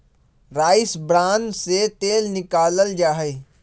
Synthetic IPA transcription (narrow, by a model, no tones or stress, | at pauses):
ɾaːɪsbɾãːnset̪eːlnɪkaːləld͡ʒaːɦɛ